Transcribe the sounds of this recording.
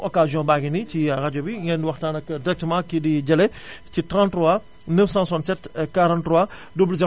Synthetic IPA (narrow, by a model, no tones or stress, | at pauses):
ʔɔkaːzjɔ̃ːbaɡiniciaɾɐɟobiŋɛndiwɐxtaːnɐkːədiɾɛk̚təmãkidiɟɐlɛ | citɾãːntrɔwa | nəfsãsantsɛtkaɾãntɾwa | dublzɛ